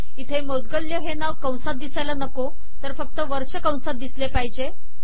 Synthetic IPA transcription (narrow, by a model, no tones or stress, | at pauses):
it̪ʰemod̪̚ɡəljəɦenaʋkə̃w̃sat̪̚d̪isajlanəko | t̪əɾfək̚t̪əʋəɾɕəkə̃w̃sat̪̚d̪islepaɦid͡ʑe